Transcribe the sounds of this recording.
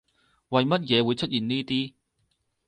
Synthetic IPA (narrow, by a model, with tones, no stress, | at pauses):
wɐ˨jmɐ˥t̚jɛː˨˧wuː˨˧jt͡ʃʰɵ˥t̚jiː˨˩nniː˥t̪iː˥